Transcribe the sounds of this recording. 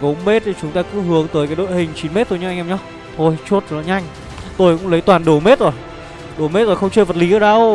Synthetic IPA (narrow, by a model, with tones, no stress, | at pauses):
ko˨˦ŋ͡mme˦˥t̚ʰi˨˩t͡ɕʊ˨˦ŋ͡mt̪aː˧kɨ̰˧˥ɦɨ˨˦əŋt̪əː˨˦jkaː˨˦jɗo̰˧˨jhï˨˩ŋ̟t͡ɕi˨˦nme˦˥t̪o˧jɲɨ˧ʔŋʔɛ˧ɲɔ˧˩ | t̪ʰo˧jt͡ɕu˦˥t̚vnɔ˨˦ɲa˧jŋ̟ | t̪o˧jkʊ̰˧˥ŋlə˨˦jt̪waː˨˩nɗo˧˩˦me˦˥t̚zo˨˩j | ɗo˨˩me˦˥t̚zo˨˩xə˧wŋ͡mt͡ɕəː˧jvə˨˩t̚li˨˦ə˧˩ɗa˧˩w